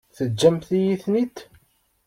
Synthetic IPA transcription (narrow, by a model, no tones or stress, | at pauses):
θəd͡ʒːæmθijiθnit̪